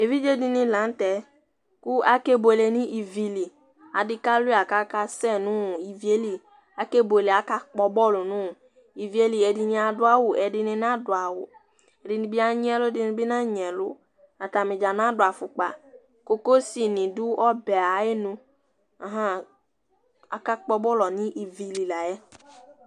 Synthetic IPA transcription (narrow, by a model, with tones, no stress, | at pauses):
e˨vi˦d͡ʒe˦dɪ˨nɪ̃˦lã˨˦n˦tɛ˨ | kʊ˦a˦ke˦bo˨le˨nĩ˦ʔi˨vi˨li˨ | a˨dɪ˦ka˦lʊ˦a˨ka˦ka˦sɛ˦˨nʊ̃˦˨i˨vi˨e˦li˨ | a˨ke˦bo˨le˨a˨ka˦k͡pɔ˨bɔ˦lʊ˨nʊ̃˦˨ | i˨vi˨˦e˦li˨ɛ˨di˨nĩ˨a˨dʊ˦a˦wʊ˨ɛ˨dɪ˨nɪ˨n˦ã˦dʊ˨a˨wʊ̰˨ | ɛ˨dɪ˨nĩ˨bi˦a˦ɲi˦ɛ˦lʊ˦dɪ˨˦nĩ˨bɪ˦nã˦ɲ˨ɛ̃˨lʊ˦ | a˨ta˨mɪ̃˨d͡ʒa˨nã˦da˨fʊ˨k͡pa̰˨ | ko˦ko˦si˦˨nĩ˨du˦ʔɔ˦bɛ˨a˨e˦nũ˦ | a˨ɦã˦ | a˨ka˦k͡pɔ˦bɔ˦lɔ˨nĩ˦ʔi˨vi˨li˨la˨jɛ˦